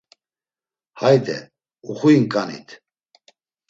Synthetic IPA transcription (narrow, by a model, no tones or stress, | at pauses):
hajd̪ɛ̰ | uχuinkʼanḭt̪ʰ